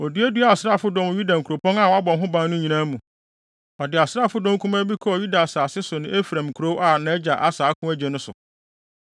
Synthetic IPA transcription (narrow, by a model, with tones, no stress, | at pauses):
o˨di˦æ˦du˦a˨sɾa˦˨fʊ˦dɔ̃˦m˦ju˦dã˨ŋ˨kʰu˨ɾo˨pɔ̃˦na˦˨wɔ˨˦a˦bɔ̃˨˦ɦʊ̃˦bã˦nnʊ̃˦ɲĩ˨nãː˦mũ˨ | ɔ˨dɪ˨a˨sɾa˦˨fʊ˦dɔ̃˦kʰũ˦mã˦bi˦kʰɔ˦ɔ˨ju˦da˨saː˨sɪ˦sʊ˨nɪ̃˦e˦fɾã˨mkʰɾo˦wa˨nã˨˦ɛ˦d͡ʑa˨ʔa˦saː˨˦kʰʊ̃˦æ˦d͡ʑɛ˨nʊ̃˦sʊ̰˨